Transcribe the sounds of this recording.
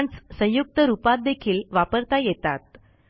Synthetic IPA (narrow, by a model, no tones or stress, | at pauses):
ɳt͡ssə̃j̃juk̚t̪əɾupat̪̚d̪ekʰiːlʋapəɾt̪ajet̪at̪̚